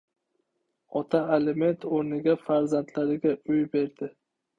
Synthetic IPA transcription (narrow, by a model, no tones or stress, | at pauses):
ɒt̪ʰaeleme̞nt̪ʰoɾnɪɡʲafaɾzant̪ʰlaɾɪɡʲaʊjbe̞ɾd̪ɪ